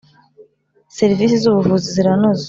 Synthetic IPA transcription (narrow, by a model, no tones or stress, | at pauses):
se̞ɾiviːsizuβuvuziziɾanoz